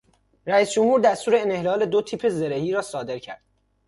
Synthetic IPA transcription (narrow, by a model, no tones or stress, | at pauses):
ɾæiːsd͡ʒomhuːɾd̪æst̪uːɾeːnehlɒːle̞d̪ot̪ʰiːpʰe̞ze̞ɾe̞hiːɾɒːsɒːd̪e̞ɾcʰæ̰ɾd̪̥